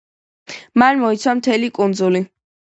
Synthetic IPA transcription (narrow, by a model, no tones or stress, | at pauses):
manmɔit̪sʰwamt̪ʰɛlikʼund̪zuli